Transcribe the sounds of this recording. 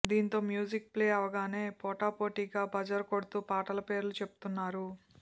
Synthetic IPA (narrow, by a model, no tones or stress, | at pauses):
d̪iːnt̪o̞ːmjuːd͡ʒik̚pleːɐʋɐɡaːne̞ːpɔːʈaːpo̞ːʈiːɡaːbɐd͡ʒɐɾkoɽut̪uːpaːʈɐlɐpe̞ːɾlut͡ʃe̞pu̥t̪unːaːɾu